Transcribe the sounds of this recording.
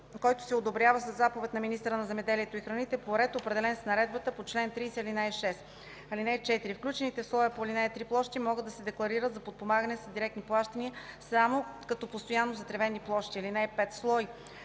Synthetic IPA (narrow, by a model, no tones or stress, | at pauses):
kɔjt̪ʊ̥sɛod̪obɾʲjavəsɐzːapovɛt̪nɐminist̪ɾənɐzɛmɛd̪ɛliɛt̪oixɾɐnit̪ɛpoɾɛt̪opɾɛd̪ɛlɛnsnɐɾɛd̪̚bət̪əpot͡ʃlɛnt̪ɾiːsɛlinaɛʃɛs | ɐlinɛt͡ʃɛt̪iɾifklʲut͡ʃɛnit̪ɛslˠɔjəpoɐlinɛɛt̪ɾiplˠɔʃt̪imɔɡɤd̪ɐsɛd̪ɛklˠɐɾiɾət̪zɐpot̪̚pomaɡənɛsɐd̪iɾɛk̚t̪niplˠaʃt̪ɐniəsamokɐt̪ɔpost̪ojanːozɐt̪ɾɛvɛnːiplˠɔʃt̪iɐlinɛɛpɛt̪slˠɔj